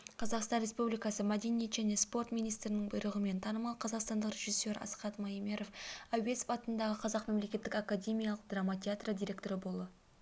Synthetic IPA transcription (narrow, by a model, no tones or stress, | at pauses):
qʰɑzɑqst̪ɑnɾʲespublʲijkɑsəmæd̪enije̞t̪ʒæne̞spo̞rt̪mʲijnijst̪ɾɪnɪŋbʊjɾəʁəme̞nt̪ʰɑnəmɑlˠqʰɑzɑqst̪ɑnd̪əqrʲe̞ʒisːe̞ɾɑ̰sqɑt̪mɑime̞ɾo̞fæwe̞spɑt̪ənd̪ɑʁəqʰɑzɑqme̞mle̞kʲe̞t̪ːɪkakad̪ʲe̞mʲijalˠəq̚d̪ramat̪ʲʰeat̪rəd̪ʲijɾʲe̞k̚t̪o̞ɾəbo̞lˠə